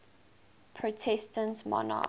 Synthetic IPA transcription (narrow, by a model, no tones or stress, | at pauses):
pʰɹotʰɛstə̃ntmɔ̰na̰